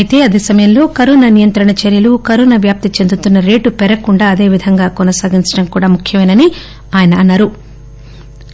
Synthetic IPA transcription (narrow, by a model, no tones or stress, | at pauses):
ɐit̪e̞ːɐd̪eːsɐmɐjɐmlo̞ːkɐɾoːnanijɐnt̪ɾɐɳɐt͡ʃeɾjɐlukɐɾoːnaʋjaːp̚t̪it͡ʃend̪ut̪unːɐɾe̞ːʈupɛɾɐkuɳɖaːɐd̪e̞ːʋid̪ʱɐŋɡaːkɔnɐsaːɡiɲt͡ʃɐ̥ɽɐmkuːɽaːmukʰjɐmɐjnɐni | aːjɐnɐːnːaːɾu